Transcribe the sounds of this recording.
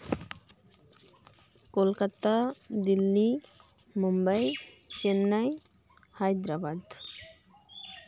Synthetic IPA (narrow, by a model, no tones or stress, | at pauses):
kolkat̪ad̪ilːi | mumbajt͡ɕenːaj | hajd̪ɾabad̪